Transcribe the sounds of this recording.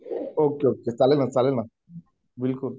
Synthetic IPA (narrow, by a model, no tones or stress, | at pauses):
okeokesalelmãnsalelmã | bɪlkul